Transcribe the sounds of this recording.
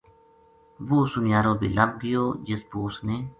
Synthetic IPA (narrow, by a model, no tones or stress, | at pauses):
ʋuːsʊnɪjaːɾõːbḭːləb̚ɡɪjoːd͡ʒɪsbuːsneː